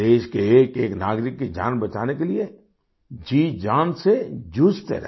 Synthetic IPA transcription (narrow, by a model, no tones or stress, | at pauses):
eːʃkeeːkeːknaːɡɾɪkːid͡ʒa̰ːnbɐt͡ʃaːnekelie | d͡ʒiːd͡ʒaːnsed͡ʒust̪ə̰ɾ